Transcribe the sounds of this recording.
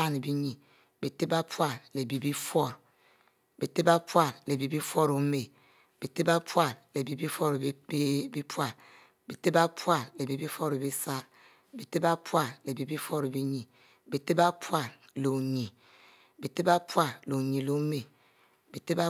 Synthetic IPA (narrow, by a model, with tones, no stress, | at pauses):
a˦ne˨bi˦ɲi˨ | bi˨te˦ba˦pwa˦˨ɾle˨bi˨bi˦fɔ˦ɾ | bi˨te˦ba˦pwa˦ɾle˨bi˨bi˦fɔ˦ɾo˨˦me˨ | b̥i˨te˦ba˦pwa˦˨ɾle˨bi˨bi˦fɔ˦ɾbi˦pwa˦˨ɾ | bi˨te˦ba˦pwa˦ɾle˨bi˨bi˦fɔ˦ɾe˨bi˦sa˦ɾ | bi˨te˦ba˦pwa˦ɾle˨bi˨bi˦fɔ˦ɾe˨bi˦ɲi˨ | bi˨te˦ba˦pwa˦˨ɾ | lo˨ɲi˨ | bi˨te˦ba˦pwa˦ɾlo˨ɲi˨lo˨˦me˨ | b̥i˨te˦ba˦